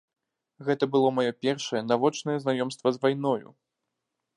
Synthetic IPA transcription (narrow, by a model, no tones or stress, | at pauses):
ɣɛt̪ɐbɨlˠɔmajɔpʲɛrʂɐjɛnavɔt͡ʂnɐjɛznajɔmst̪vɐzvajn̪ɔjṵ